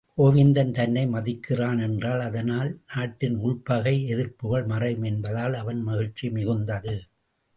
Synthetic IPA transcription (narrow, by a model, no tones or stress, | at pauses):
ʔɔːʋɪnd̪ɐnt̪ɐnːɐɪmɐðɪkʰːɪraːnɛndraːlɐðɐnaːlnaːʈːɪnʊɭpɐɣɐɪɛðɪrpɯɣɐɭmɐrɐɪmɛnbɐðaːlɐʋɐnmɐɣɪɻt͡ʃːimɪɣɯnd̪ɐðɯ